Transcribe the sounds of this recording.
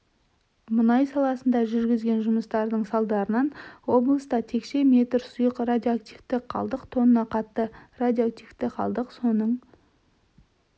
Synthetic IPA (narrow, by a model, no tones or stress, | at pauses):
mʊnɑjsɑlˠɑsənd̪ɑʒʏɾɡʲɪzɡʲe̞nʒʊməst̪ɑɾd̪əɴsɑlˠd̪ɑɾənɑnwo̞blˠəst̪ɑt̪ʰe̞kʃe̞me̞t̪ɾsʊjəqrad̪ʲjoak̚t̪ift̪ɪqʰːɑ̰lˠd̪əqt̪ʰo̞nənɑqʰɑt̪ːərad̪ʲjoak̚t̪ijft̪ɪqʰɑ̰lˠd̪əqso̞nəɴ